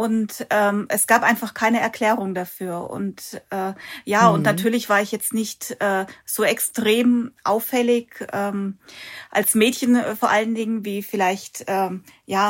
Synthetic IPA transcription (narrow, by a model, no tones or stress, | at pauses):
ʔʊntʔɛːmʔɛsɡ̥aːpʔaɪnfaχkʰaɪnəɛɐkʰl̥ɛːʁ̞ʊŋdafyːɐʔʊ̰ntʔɛːjaːʊntnatʰyːɐlɪçv̥aːɐɪçjɛt͡stnɪçtʔɛːz̥oːɛkstʁ̥eːmʔaʊfɛlɪçʔɛːmʔa̰lsmɛːtçənfoɐʔaləndɪŋənviːfɪlaɪçtʔɛːjaː